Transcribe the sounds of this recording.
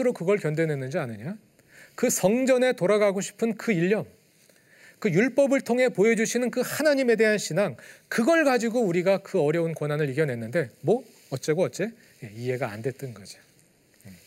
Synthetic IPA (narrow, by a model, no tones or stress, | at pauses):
ɯɾokɯɡʌɭkjʌndwe̞nwenːɯnd͡ʑianɯɲa | kɯsʰʌŋd͡ʑʌne̞toɾaɡaɡoɕʰi̥pʰɯnkɯiʎːʌŋ | kɯjuɭp͈ʌbɯɭtʰoŋɦe̞poed͡ʑuɕʰinɯnkɯhanaɲime̞de̞ɦanɕʰinaŋkɯɡʌɭɡad͡ʑiɡouɾiɡakɯʌɾjʌunkwʌnɦanɯɭiɡjʌnɦe̞nːɯnde̞mwʌ | ʌtt͡ɕ͈e̞ɡoʌt͡ɕ͈e̞ | je̞ie̞ɡa̰ːndwe̞t͈ʌnɡʌd͡ʑi̥ | je